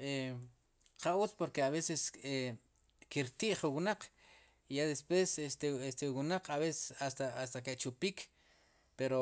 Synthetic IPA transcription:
e | qaut͡spoɾkeaβesese | kiɾt̪iʔχuwunaq͡χ | ijad̪espwesest̪eest̪ewunaq͡χʰaβesesast̪aast̪aket͡ʃupiːk | peɾo

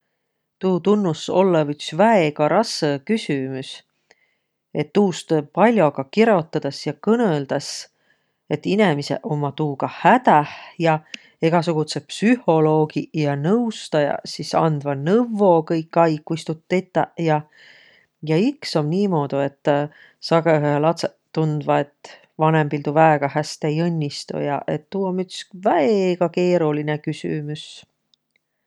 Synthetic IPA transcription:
t̪uːt̪unːuso̞̰lːevyksvæeɡɑɾɑsekysʲymus | e̞t̪ːuːst̪opɑlʲjo̞ɡ̥ɑkiɾo̞t̪ːɑd̪̥ɑsjɑkɤneld̪̥ɑs | e̞t̪ːinemise̞̰ʔo̞mɑt̪uːɡ̥ɑhæt̪æhjɑ | e̞ɡ̥ɑsuɡ̥ut̪se̞psyho̞lo̞ːɡijɑnɤwst̪ɑjɑ̰sisɑ̰nd̪vɑnɤvo̞kɤjkːɑjkːust̪ut̪ːet̪ːˑɑ̰jɑ | jɑiksomniːmo̞ːd̪ue̞t̪ːˑ | sɑɡelɑt̪se | t̪ːund̪vɑe̞t̪ːˑ | vɑne̞mpilt̪uvæeɡ̥ɑhæst̪ejɤnʲːist̪ṵjɑ̰ʔe̞t̪ːuːomytsvæeeɡ̥ɑke̞ːɾulinekysy̰mus

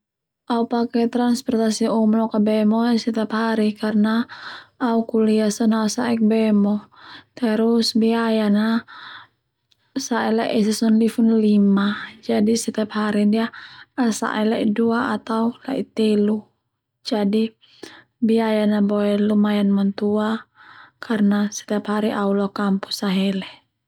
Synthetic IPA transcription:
ʔaupakɛt̪ɾanspɔrt̪asiumlɔkabɛmɔsɛt̪iaphaɾikarnaː | ukuliasɔnasa̰ʔɛk̚bɛmɔt̪ɛɾusbiajana | saʔɛlaʔɛsɛsɔnlifunlimad͡ʒadisɛt̪ɛaphaɾidiaasa̰ʔɛlaʔiduaat̪aula̰it̪ɛlu | d͡ʒadi | biajanabɔɛlumajanmant̪uakʰarnasɛ̥t̪ɛaphaɾiʔaulɔkampu̥saɦɛlɛ

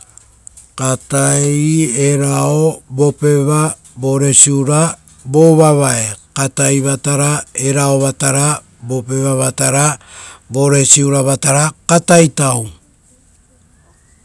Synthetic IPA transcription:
katajeɾaobo̞pe̞βa | bo̞ɾe̞siuɾa | bo̞βaβaekatajβataɾae̞ɾaoβataɾa | bo̞pe̞βaβataɾabo̞ɾe̞siuɾaβataɾakatajtaw

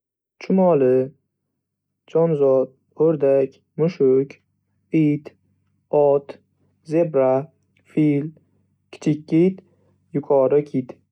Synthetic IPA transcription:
t͡ʃʰʊmɒlɪ | d͡ʒɒnzɒt̪̚ | oɾd̪akʲ | mʊʃʊkʲ | it̪ | ɒt̪ | ze̞bɾa | fil | kʲʰɪ̥t͡ʃ̪ʰɪkʲːit̪ | jʊkʰɒɾɪkʰʲit̪

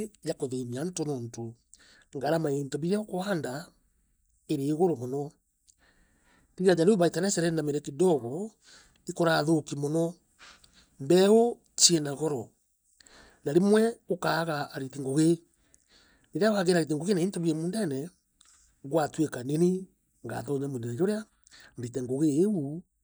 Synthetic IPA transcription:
jakoðemiantonɔnto | ŋɡaɾamaentɔβiɾjaokoaːnda | eɾeːɣoɾomɔnɔ | niiad͡ʒaɾoβaitanɛsɛɾɛnameɾɛkidɔɣɔ | ikɔɾaðokimɔnɔ | mbɛo | t͡ʃiɛnaɣɔɾɔ | naɾemwɛokaːɣaaɾiteŋɡoɣe | neɾeaɣaɣeɾaɣet̬eŋɡoɣenaintoβiɛmuːndɛnɛ | ɣwatwekanene | ŋɡa̰ðɔɲɛmondeɾɛɾoɾea | mɾitɛŋɡoɣeːu

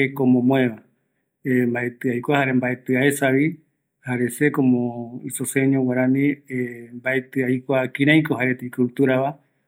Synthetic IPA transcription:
ekomõmõẽʋa | embaet̪ɨajkʷahaɾembaet̪ɨaesaβi | haɾe̞sekomõisoseɲõwaɾãnĩembaet̪ɨajkʷakĩɾãj̃kohaɾet̪eikut̪uɾaβa

